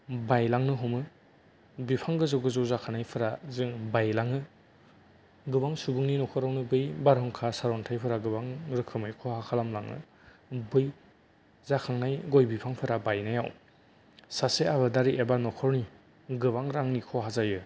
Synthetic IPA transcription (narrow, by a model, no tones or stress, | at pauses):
bajlaŋnɯɦɔmɯ | bipʰaŋɡɯzɯwɡɯzɔzakʰanajpʰɯɾazɯŋbajlaŋɯ | ɡɯbaŋsubɯŋninɔkʰɔɾawnɯbɯjbaɾɦɯŋkʰasaɾɔntʰajpʰɯɾaɡɯbaŋɾɯkʰɯmajkʰɔhakʰalamlaŋɯ̰ | bɯj | zakʰaŋnajɡojbipʰaŋpʰɯɾabajnajaw | saseaβɯdaɾiʔebanɔkʰɔɾni | ɡɯβaŋɾaŋnikʰɔɦazajɯ